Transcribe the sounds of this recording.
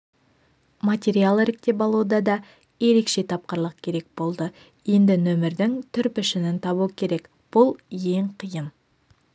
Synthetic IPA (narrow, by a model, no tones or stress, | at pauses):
mat̪ʲeɾialˠɪɾɪk̚t̪e̞bɑlˠud̪ɑd̪ɑ | je̞ɾe̞kʃe̞t̪ʰɑp̚qəɾlˠəq̚kʲʰe̞ɾe̞k̚bo̞lˠd̪ə | je̞nd̪ɪnɵmɪɾd̪ɪŋt̪ʰʏɾpɪʃɪnɪnt̪ʰɑβuwəkʲʰe̞ɾe̞k | b̥ʊlˠje̞ŋqʰijən